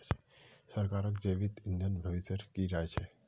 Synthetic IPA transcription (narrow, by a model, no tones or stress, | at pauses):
t͡ʃe̥səɾkaːɾəkd͡ʒeʋit̪ĩnd̪ʱənbʱəʋisjəɾkiɾaet͡ʃʰe